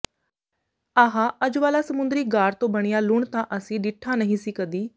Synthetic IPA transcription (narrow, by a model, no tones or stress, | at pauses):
aɦãːʔəd͡ʒʋaːlaːsəmʊnd̪ɾiːɡaːɾt̪õːbəɽ̃ɪjaːlʊɳt̪ãːʔəsĩːɖɪʈʰːaːnəɦĩːsiːkəd̪iː